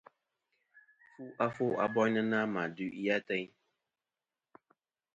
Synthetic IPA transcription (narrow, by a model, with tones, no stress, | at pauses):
fu˦ʔa˦fo˦ʔa̰˨bɔ˦ɲ˦nə˦na˦ma˨dʉ˦ʔi˦ja˦tɛ˦ɲ˦